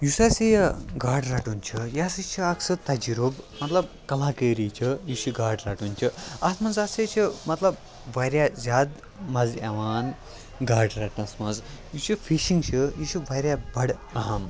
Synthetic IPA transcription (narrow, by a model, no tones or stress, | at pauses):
jusɐsijɡaːɾɖɾɐːʈunt͡ʃʰɨjaːsit͡ʃʰiɐksɨt̪ɐd͡ʒiɾoːbmɐt̪lɐb̚ | kɐlaːkəːɾit͡ʃʰɨjut͡ʃʰiɡaːɾɖɾaːʈunt͡ʃʰiɐsmɐnzɐset͡ʃʰimɐt̪lɐb | ʋɐɾʲjazʲaːd̪ | mɐzɐʋaːn | ɡaːɾɖɾɐːʈnɐsmɐnzjut͡ʃʰifʰiʃiŋɡt͡ʃʰɨjut͡ʃʰiʋɐɾʲjabɐɽɐɦɐm